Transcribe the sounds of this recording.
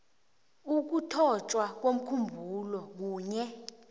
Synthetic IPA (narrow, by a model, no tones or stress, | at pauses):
uk̬utʰɔt͡ʃʼwak̬wom̩kʰumbʱulɔk̬uːɲɛ